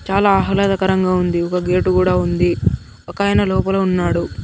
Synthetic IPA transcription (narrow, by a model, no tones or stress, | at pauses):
t͡ʃaːlaːɦɐlɐd̪ɐkɐɾɐŋɡaːund̪iɔkɐɡe̞ːʈukuːɽaːund̪i | ɔkaːjɐnɐlɔːpɐlɐunːaːɽu